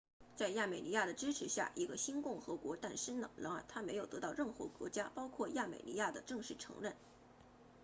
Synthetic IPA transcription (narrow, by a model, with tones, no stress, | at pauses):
t͡sa˥˧ɪja˥˩me˨˩ɪni˧˥ja˥˩d̪ə˩ʈ͡ʂɻ̩˥ʈ͡ʂʰɻ̩˧˥ɕja̰˥˩ʔi˧˥ɡə˧ɕi˥nkʊ˥˩ŋxɤ˧˥kwɔ˧˥t̪a˥˩nʂə˥nd̪ə˨˩ɻɑ˧˥ŋɻa̰˨˩nt̪ʰa˥me˧˥ɪjo˨˩t̪ɤ˧˥t̪ɑ˥˧ʊɻə˥˩nxɤ̰˧˥kwɔ̰˧˥t͡ɕja˥pɑ˥ʊkʰwɔ˥˧ja˥˩mḛ˨˩ɪnḭ˧˥ja˥˩d̪ə˩ʈ͡ʂɤ˥˧ŋʂɻ̩˥˩ʈ͡ʂʰɤ̰˧˥ŋɻə˥˩n